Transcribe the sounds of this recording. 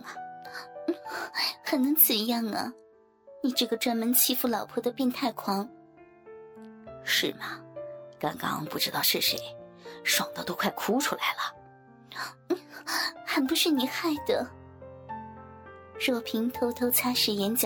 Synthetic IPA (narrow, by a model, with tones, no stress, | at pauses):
xə˨˩nnɤ˧˥ŋt͡sɹə˨˩jɑ˥˩ŋə̰˩ | ni˨˩ʈ͡ʂɤ˥˩ɡə˩ʈ͡ʂwa˥nmə˧˥nt͡ɕʰi˥˧fu˥˩lɑ˨˩ʊpʰwɔ˥d̪ə˨pi˥˧nt̪ʰa˥˩ɪkʰwɑ˥ŋ | ʂɻ̩˥˩mɐ˩kɑ˥ŋkɑ̰˥ŋ˧pu˥˩ʈ͡ʂɻ̩˥t̪ɑ˥˧ʊʂɻ̩˥˩ʂḛ˧˥ɪʂwɑ˨˩ŋd̪ə˧t̪o˥ʊkʰwa˥˩ɪkʰu˥ʈ͡ʂʰu˥la̰˧˥ɪlə˨˥˩ | xə˧˥npʂɻ̩˥˩ni˨˩xa˥˩ɪd̪ə̰˩ | ɻɤ˥˩pʰi˧˥ŋt̪ʰo˧˥ʊt̪ʰo˧˥ʊt͡sʰa˥ʂɻ̩˧˥jɛ˧˥nt͡ɕj